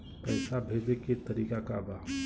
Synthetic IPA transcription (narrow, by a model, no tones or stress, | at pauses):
pəɪsabʱebeket̪əɾikakaba